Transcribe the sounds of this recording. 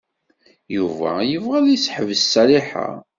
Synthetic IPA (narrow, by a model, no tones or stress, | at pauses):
juvæ̰jəvʁæðisħəvsːæliħa̰